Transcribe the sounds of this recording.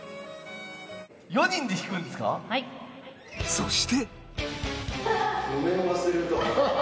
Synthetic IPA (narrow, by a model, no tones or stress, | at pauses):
jo̞ɲĩnd̪e̞çʲi̥kɯ̟̃nd̪esɨ̥ka̰ | soɕi̥t̪e̞ | jomẽmaseɾɯt̪o